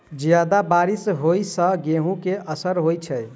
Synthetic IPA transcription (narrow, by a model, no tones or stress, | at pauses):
d͡ʒjad̪abaɾisɦojsə̃ɡeɦũkeəsəɾɦojt͡ʃʰɛj